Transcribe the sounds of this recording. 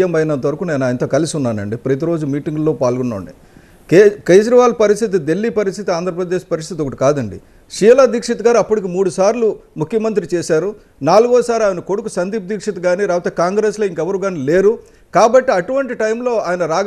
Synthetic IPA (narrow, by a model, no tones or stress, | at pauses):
ɐmbɐjnɐnt̪ɐʋɐɾukune̞ːnuaːjnt̪o̞ːkɐlisiunːaːnɐɳɖipɾɐt̪iɾo̞ːd͡ʒumiːʈiŋɡlo̞ːpaːlɡɔnːo̰ːɳɖi | keːd͡ʒɾɐʋaːlpɐɾist̪ʰit̪id̪e̞lːipɐɾist̪ʰit̪iaːnd̪ʱɾɐpɾɐd̪eːʂpɐɾist̪ʰit̪ɔkɐʈikaːd̪ɐɳɖḭ | ʃiːlaːd̪iːkʂɐt̪ɐɡaːɾuɐpːuɽikimuːɽusaːɾlumukʰjɐmɐnt̪ɾit͡ʃeːsaːɾu | naːluɡɔːsaːɾaːjnɐko̞ɽukusɐnd̪iːp̚d̪iːkʂɐt̪ɐɡaːniɾaːʋut̪eːkaːŋɡɾeːsloːiŋkɛʋɐɾuɡaːnile̞ːɾu | kaːbɐʈːiɐʈuʋɐɳʈiʈɐjmlo̞ːaːjɐnɐɾaːɡ